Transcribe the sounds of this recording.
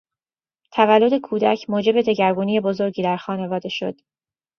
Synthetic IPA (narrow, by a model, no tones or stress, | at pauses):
t̪ʰævælːo̞d̪e̞kʰuːd̪æcʰmoːd͡ʒe̞be̞d̪e̞ɟæɾɡuːnije̞bo̞zo̞ɾɟiːd̪æɾxɒːne̞vɒːd̪e̞ʃo̞̰d̪̥